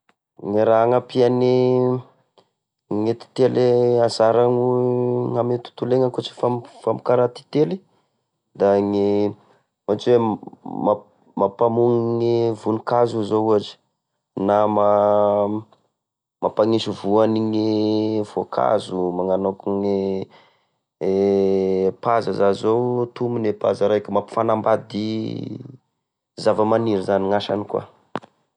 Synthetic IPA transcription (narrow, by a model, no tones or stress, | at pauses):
ŋiɾaaŋapiani | ŋet̪i̥t̪eleazaɾaŋuŋamet̪u̥t̪uleŋakut͡ʃi̥famfamikaɾat̪i̥t̪eli̥ | d̪aŋi | mat͡swema | mapamuŋiŋivunikazuzouaʈ͡ʂi̥ | nama | mapaŋiʃuvuaniŋiv̥okʰa̰zumaŋanokuŋi | pazazazowt̪uminepazaɾajkʲəmapi̥fanambad̪i | zavamaniɾizaniŋaʃanikwa̰